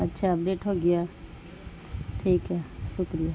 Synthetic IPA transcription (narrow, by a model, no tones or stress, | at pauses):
ɐtːʃʰaɐp̚ɖeːʈɦoɡija | ʈʰiːkɦɛsʊkɾija